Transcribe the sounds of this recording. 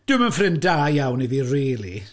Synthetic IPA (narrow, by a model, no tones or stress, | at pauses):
d̥ɨmənfrɪndaːjjawniðiriːlˠḭ